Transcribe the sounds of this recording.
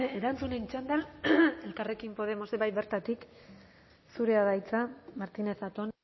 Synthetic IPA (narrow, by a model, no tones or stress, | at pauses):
eɾant͡sunent͡ʃand̪ale̞lkare̞kimpo̞ðe̞mo̞seβajβe̞ɾt̪at̪ik | suɾe̞aðajt͡samaɾt̪ine̞θat̪o̞n